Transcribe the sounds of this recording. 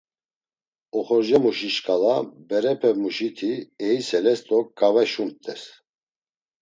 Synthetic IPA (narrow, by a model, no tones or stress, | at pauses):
ɔχɔɾʒɛmuʃiʃkʼalabɛɾɛpʰɛmuʃit̪ʰiɛisɛlɛst̪ʼɔkɡavɛʃuntt̪ʼɛs